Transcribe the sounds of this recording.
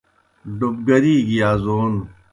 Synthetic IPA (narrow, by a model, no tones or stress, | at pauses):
ɖub̚ɡɐɾiːɡijaːzoːn